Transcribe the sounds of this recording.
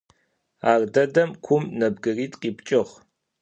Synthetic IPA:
aːrdɐdɐmkʷʰʊmnɐb̚ɡɨriːtʼqʼiːpt͡ʃʼɪʁ

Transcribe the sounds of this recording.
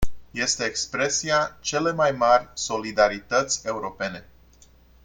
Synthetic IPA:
je̞st̪e̞ːkspɾe̞siat͡ʃe̞le̞majmarʲso̞lid̪aɾit̪ət̪sʲe̞uɾo̞pe̞ne̞

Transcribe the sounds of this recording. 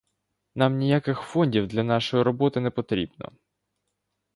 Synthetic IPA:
nɑmnʲijakɪxfɔnʲdʲiwd̪lʲɐnɑʃɔjiɾɔbɔt̪ɪnɛpɔt̪ɾʲḭbnɔ̰

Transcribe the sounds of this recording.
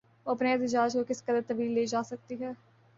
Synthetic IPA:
oɐpneɛːt̪ɪd͡ʒaːd͡ʒkokɪskəd̪əɾt̪əʋiːlːeːd͡ʒaːsək̚t̪iːɦɛː

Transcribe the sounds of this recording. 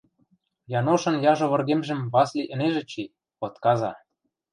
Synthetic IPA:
jɑnoʃɤ̆njɑʒŏβɤ̆rɣemʒə̆mβɑslʲiʔə̆neʒĕt͡ɕi | pŏt̪kɑzɑ

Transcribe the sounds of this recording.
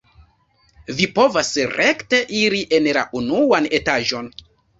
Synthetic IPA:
vipo̞vasɾekte̞ʔiɾiʔe̞nla̰ʔunuane̞taʒo̞n

